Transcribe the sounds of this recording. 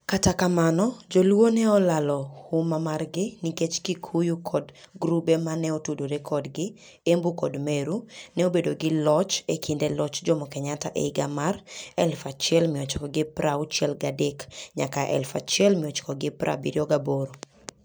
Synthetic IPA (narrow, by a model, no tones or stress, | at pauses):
katakamanɔd͡ʒɔlwonɛɔlalɔhʊmamarɡɪniket͡ʃkikʰujukʰɔdɡɾubemanɛɔtudoɾekʰɔdɡɪ | embukɔdmeɾunɛobedoɡɪlɔt͡ʃekʰindelɔt͡ʃd͡ʒɔmɔkɛɲataʔḛɡamarɛlfat͡ʃjɛlmɪɔt͡ʃkɔɡɪpɾaʊt͡ʃɛlɡadekɲakaʔɛ̰lfat͡ʃjɛlmɪɔt͡ʃkɔɡɪprʔa̰bḭɾjɔɡaboɾo